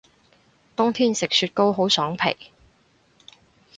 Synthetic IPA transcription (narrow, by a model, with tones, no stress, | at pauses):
t̪ʊ˥ŋt̪ʰiː˥nsɪ˨k̚syː˧t̚ko˥wɦo˨˥wsɔː˨˥ŋpʰḛ˨˩j